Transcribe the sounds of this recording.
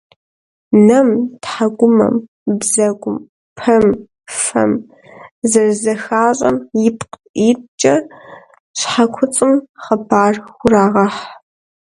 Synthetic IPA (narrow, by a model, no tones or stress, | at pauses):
nɐmtħaɡʷʊmɐ̰m | bzɐɡʷʊm | pʰɐm | fɐ̰m | zɐrzɐxaːɕʼɐ̰mjɪpq | iːtt͡ʃʼɐ | ɕħakʷʰʊt͡sʼɨmχɐbʰaːrxʷʊraːʁɐħ